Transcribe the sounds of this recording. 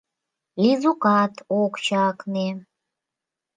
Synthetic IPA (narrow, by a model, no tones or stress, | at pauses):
lizuqat̪ʰokʷt͡ʃʰaːkʰne